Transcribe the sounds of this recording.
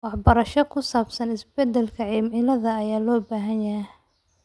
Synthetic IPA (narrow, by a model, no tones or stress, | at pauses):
wɑħbɐɾɐʃɔkʰʊsaːbsɐnɪsbɛd̪ɛlkʰɐʕiːmʕɪlɐðɐːjaːlɔːbaːɦɐnjɐɦɛ